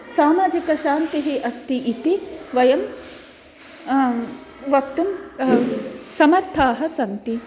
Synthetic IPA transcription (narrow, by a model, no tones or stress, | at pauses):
saːmaːd͡ʒikɐʃaːnt̪iɦiʔɐst̪iʔit̪iʋɐjɐm | ʋɐkt̪um | sɐmɐɾt̪ʰaːɦɐ̆sɐnt̪i